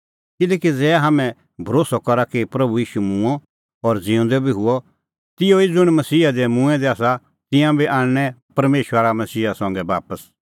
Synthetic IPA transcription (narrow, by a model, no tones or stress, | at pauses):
kɪleːkid͡zɛːɦaːmɛ̃ | bʱɐɾoːsɔkɔɾakipɾɐbujiːʃumʊ̃ɔ | ɔɾd͡zɪʊ̃nd̪ɛbʱiɦʊɔ | t̪ɪjoid͡zʊɽ̃mɐsiːad̪ɛmũɛ̃d̪ɛaːsa | t̪ɪ̃jãbiʔãːɽ̃ñɛ̃pɐɾmeːʃaɾamɐsiːasɔ̃ːŋɡɛbaːpəs